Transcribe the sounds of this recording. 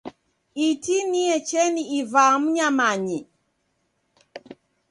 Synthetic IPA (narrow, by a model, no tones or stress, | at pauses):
itiniɛt͡ʃɛniivam̩ɲamaɲi